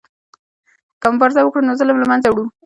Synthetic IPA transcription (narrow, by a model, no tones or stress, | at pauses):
kəmʊmbaɾzawəkɽunozəlamlamanzawɽum